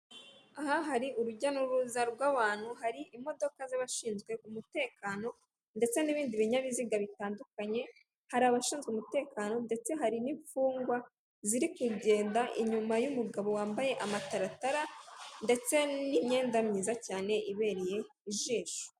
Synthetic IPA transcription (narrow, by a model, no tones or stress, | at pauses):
aɦaɦaɾiʔuɾuɟanuɾuzaɾɡwaːβaːn̥huɦaɾiʔimo̞do̞kazaβaʃiːnzɡwe̞ʔumute̞ːkaːno̞ | nde̞t͡se̞niβiːndiβiɲaβiziɡaβitaːndukaɲe̞ | haɾaːβaʃiːnzɡweumute̞ːkaːno̞nde̞t͡se̞ɦaɾiniɱfuːŋɡwa | ziɾikuɟe̞ːndaʔiɲumajumuɡaβo̞waːmbaje̞ʔamataɾataɾande̞t͡se̞niɲe̞ːndamɲiːzacaːne̞ʔiβe̞ːɾije̞ | iʒiːʃu̥